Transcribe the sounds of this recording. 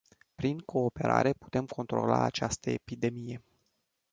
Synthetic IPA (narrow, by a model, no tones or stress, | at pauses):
pɾiŋkʰo̞ːpe̞ɾa̰ɾe̞pu̥t̪e̞mkʰo̞nt̪ɾo̞̰la̰at͡ʃast̪əepid̪e̞mije̞